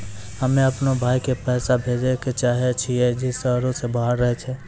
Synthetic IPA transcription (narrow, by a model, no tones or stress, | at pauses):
ɦəmẽɐpnobʱaːikepɛːsabʱeːd͡ʒeket͡ʃaːɦet͡ʃʰied͡ʒɪsəːɾõsebʱaːɦɾːəɦet͡ʃʰɛ